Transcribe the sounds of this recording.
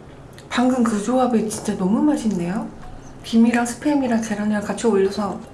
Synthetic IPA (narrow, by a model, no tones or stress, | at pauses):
paŋɡɯŋkɯd͡ʑoabet͡ɕint͡ɕ͈anʌmumaɕʰinde̞jo | pimiɾaŋsʰɯ̥pʰemiɾaŋte̞ɾʌniakat͡ɕʰioʎːʌsʰʌ